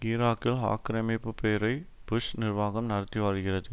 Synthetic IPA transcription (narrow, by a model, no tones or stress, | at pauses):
ɪɾaːkːɪlɦa̰ːkːɪɾɐmɪpːɯpeːɾɐɪ | b̥ʊʂnɪrʋaːɣɐmnɐɽɐt̪ːɪʋaːɻɣɪrɐðɯ